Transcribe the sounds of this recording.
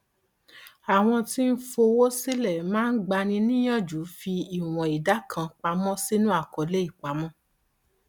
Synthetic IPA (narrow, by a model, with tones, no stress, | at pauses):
a˨w̃ɔ̃˧ti˦n̩˦fo˧wo˦si˦lɛ˦˨mãː˦n̩˦ɡ͡ba˧nĩ˧nĩ˦j̃ɔ̃˦˨d͡ʒu˨˦fi˧i˨w̃ɔ̃˨i˨da˨˦kʰã˧k͡pa˧mɔ̃˦si˦nũ˦a˦˨kɔ˨˦le˦i˦˨k͡pa˨˦mɔ̃˦